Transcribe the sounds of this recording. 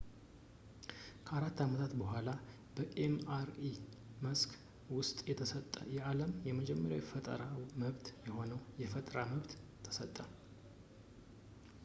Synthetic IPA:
kʰəaɾat̪ːamət̪ʰat̪bəhʷala | b̥əʔemaɾi | məsk | wʊst̪ʼjɛt̪ʰəsət̪ʼːə̰jɛʔaləmjɛməd͡ʒɛmːəɾja̰wjfət̪ʼə̰ɾawməβt̪jɛho̞nəwjɛfət̪ʼɾaməβt̪ʰː | ə̥sət̪ʼːə

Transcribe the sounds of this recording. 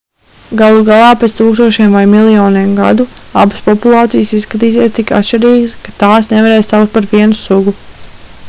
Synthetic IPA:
ɡalˠuɡalˠɑːpet̪st̪uːkst̪uɔʃeɛmvajmilˠijɔːniɛmɡa̰d̪ua̰baspɔpulˠɑːt̪sijsisskat̪̬iːsieɛst̪ika̰t̪ʃt͡ʃiɾiːɡəskḁt̪aːsnɛvaɾeːjst̪awk̪t̪̚paɾʋiɛnusuɡu

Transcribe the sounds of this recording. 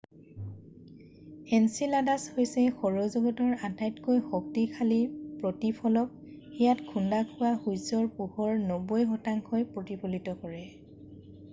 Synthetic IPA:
ɛnsiladashojsɛxɔɹɔzɔɡɔtɔɹatajtkojxɔk̚tikʰalipɹotipʰɔlɔp̚ | xijatkʰundakʰʊwaxujsɔɹpuhɔɹnɔbɔjɦɔtaŋkʰojpɹotipʰolitɔkɔɹɛ

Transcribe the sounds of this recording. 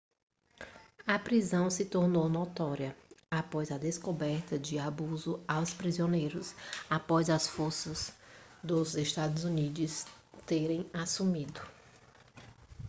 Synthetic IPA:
ɐpɾizɐ̃w̃sɪt̪oɾnownot̪ɔɾiɐapɔzɐd̪eskobɛɾt̪ɐd͡ʒɪabuzʊawspɾizionejɾʊsapɔzɐsfoɾsɐzd̪ʊzest̪ad̪ʊzunid͡ʒʊs | t̪eɾẽj̃asumid̪ʊ

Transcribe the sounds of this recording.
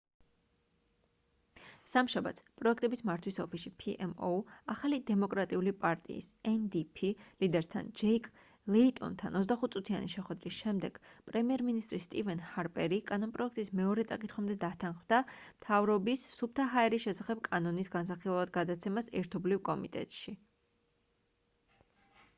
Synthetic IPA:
samʃaba̰t̪sʰpʼɾɔɛkʰt̪ʼɛbismaɾt̪ʰwisɔpisipʰiʔɛmɔaχalid̪ɛmɔkʼɾat̪ʼiulipʼaɾt̪ʼḭːsɛnd̪ipʰilid̪ɛɾt̪ʰa̰nd͡ʒɛikʼ | lɛit̪ʼɔ̰nt̪ʰa̰nɔt̪s̬d̪aχut̪̚ʰsʼut̪ʰia̰niʃɛχwɛd̪ɾisʃɛmd̪ɛɡ̥pʼɾɛmiɛɾminist̪ʼɾist̪ʼivɛnhaɾpʼɛɾikʼanɔnpʼɾɔɛk̚ʰt̪ʼismɛɔɾɛt̪sʼakʼit̪ʰχwamd̪ɛd̪at̪ʰanχvd̪amt̪ʰavɾɔbisːup̚ʰt̪ʰaɦaɛɾisʃɛsaχɛb̥kʼanɔnisɡansaχilˠvad̪ɡad̪at̪sʰɛmasɛ̰ɾt̪ʰɔblivkʼɔmit̪ʼɛ̰t̪ʼʃi

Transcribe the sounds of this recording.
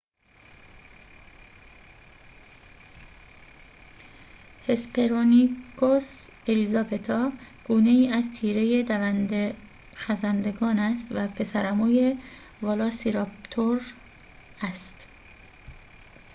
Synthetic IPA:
hespeɾonikʰoselizɒbe̞t̪ʰɒː | ɡ̥uːne̞iːæzt̪ʰiːɾe̞jed̪ | xæzænd̪eɡɒːnæst̪væpʰe̞sæɾæmoːje | vɒlɒːsiɾɒpt̪ʰoɾ | æst̪

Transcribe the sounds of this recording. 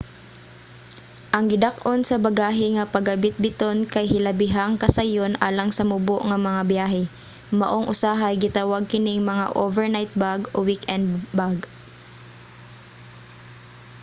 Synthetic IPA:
ʔɐŋɡɪd̪akʔonsɐbɐɡaːɦɪŋɐpɐɡɐbɪt̪̚bɪt̪onkɐjɦɪlɐbɪɦaŋkɐsajonʔa̰ːlɐŋsɐmʊboʔŋɐmɐŋabjaːɦɛ | mɐʔoŋʔʊsaɦajɡɪt̪awaɡ̚kɪnɪŋmɐŋa̰ʔovɛɹnajt̪̚baɡʔowikɛnd̪baɡ

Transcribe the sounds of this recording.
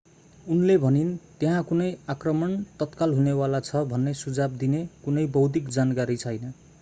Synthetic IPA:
unlebʱʌnint̪eɦãkunʌjakrʌmʌnt̪ʌt̪kalɦunewalat͡sʰʌbʱʌnːesud͡zab̚d̪inekunʌjbʌwd̪ikd͡zankaɾit͡sʰʌjnʌ

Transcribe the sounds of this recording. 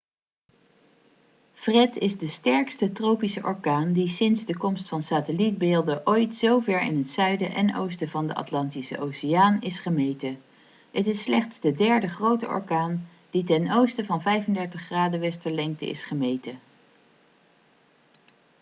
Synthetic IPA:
frɛtɪzdəstɛɹkstətrowpisəʔɔɹkaːndisɪnzdəkɔmstfɑnsaːtəlit̚beːlˠdəʔojtsowvɛɹɪ̰nɦətsœɥdəʔɛno̰wstəvɑndə̰ɑ̰tlɑntisə̰ʔowsɪjaːnɪsχəmejtə | ɦətɪsːlɛχtsdədɛɹdəχrowtə̰ʔɔ̰ɹkaːn | d̥itɛnowstəvɑnvɛjvəndɛɹtəχːraːdəʋɛstəɹlɛŋk̚tə̰ɪ̰sχəmejtə

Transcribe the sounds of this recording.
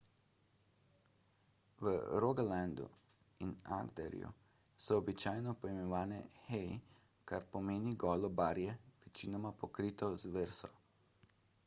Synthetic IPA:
ʋəɾoɡaland̪ṵ | ina̰ɡd̪ɛ̰ɾḭjṵ | sɔɔbit͡ʃaːjnɔpɔjmɛʋaːnɛxɛji | kaɾpɔmeːniɡɔːlɔbaːɾjɛʋɛt͡ʃinɔmapɔkɾiːt̪ɔzʋeɾsɔ̰

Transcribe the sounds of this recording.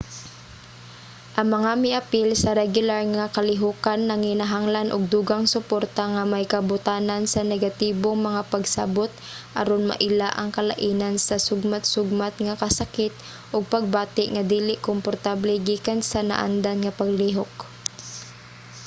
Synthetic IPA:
ʔɐŋmɐŋamɪʔapɪlsɐɾɛɡjʊlaɹŋakɐlɪɦuːkanːɐŋhɪnaɦaŋlanʔʊɡ̚d̪uɡaŋsʊpoɾt̪aŋamajkɐbʊt̪aːnansɐnɛɡat̪iːboŋmɐŋapaɡsa̰bot̪̚ | ʔa̰ɾonma̰ʔɪlaʔɐŋkɐla̰ʔiːnansɐsʊɡmat̪sʊɡ̚mat̪ŋakɐsakɪt̪̚ | ʔʊɡ̚pɐɡ̚baːt̪ɪʔŋad̪iːlɪʔkompoɾt̪ablɛɡiːkansana̰ʔa̰nd̪anŋapɐɡliɦok

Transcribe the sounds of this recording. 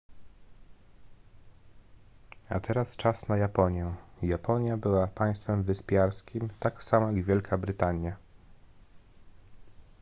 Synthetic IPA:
a̰t̪ʰɛɾast͡ʂasnajapɔɲjɛjapɔɲjabɘwapaj̃st̪fɛmvɘspʲjaɾskʲimt̪aksamɔ̃jaɡvʲjɛlkʰabɾɘt̪aɲja

